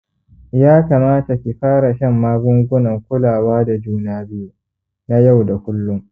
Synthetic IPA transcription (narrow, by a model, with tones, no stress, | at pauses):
jaː˦kaː˨maː˦ta˨kʲi˨ɸaː˦ɾa˨ʃɐ˦mːaː˦ɡʷʊ˦ŋɡʷʊ˦nɐ˨ŋkʷʊ˦laː˨waː˦da˨d͡ʒuː˦naː˦bɪ˦ju˨ | na˦ja˦˨wda˨kʷʊ˦lːʊ˦m